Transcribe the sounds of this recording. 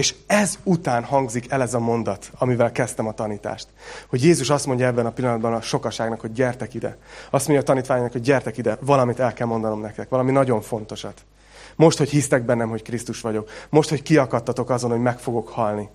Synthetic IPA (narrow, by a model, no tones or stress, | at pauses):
eːʃɛzut̪aːnhɒŋɡzikɛlɛzɒmo̞nd̪ɒt̪ɒmivɛlkɛst̪ɛmɒt̪ɒniːt̪a̰ːʃt̪ho̞ɟjeːzuʃɒst̪mo̞ɲɟɒɛbːɛnɒpilːɒnɒd̪bɒnɒʃo̞kɒʃaːɡnɒkho̞ɟːɛrt̪ɛkid̪ɛ̰ɒst̪mo̞ɲɟɒːt̪ɒniːt̪ʋaːɲnɒkho̞ɟ̚ːɛrt̪ɛkid̪ɛvɒlɒmit̪ɛlkɛlmo̞nd̪ɒno̞mnɛkt̪ɛkʋɒlɒminɒɟo̞ɱfo̞n̪t̪o̞ʃɒt̪ | mo̞ʃt̪ho̞chist̪ɛɡ̚bɛnːɛmɦo̞ckrist̪uʃʋɒɟo̞kmo̞ʃt̪ho̞ckiɒkɒt̪ːɒt̪o̞kɒzo̞nhoɟmɛkfo̞ɡo̞khɒlni